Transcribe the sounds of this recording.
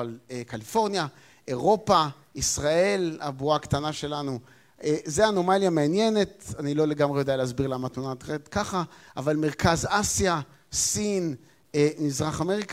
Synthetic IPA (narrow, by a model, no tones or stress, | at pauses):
alekalifo̞ʁnja | eʁo̞pa | isʁae̞labuakt̪anaʃe̞lanu | ezeano̞maljameanje̞ne̞t̪anilo̞le̞ɡamʁejodealeazbiʁlamat̪unat̪ʁet̪kaχaʔːvalme̞ʁkazasja | sin | mizʁaχame̞ʁik